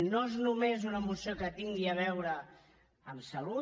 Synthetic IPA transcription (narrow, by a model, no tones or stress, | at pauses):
noeznumezunəːmusiokət̪iŋɡiəβ̞ɛwɾəː | msəlu